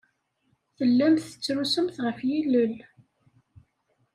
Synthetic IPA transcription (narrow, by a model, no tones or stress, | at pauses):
θəlːæmθə̥t͡sːɾusəmθʁəfjilːəl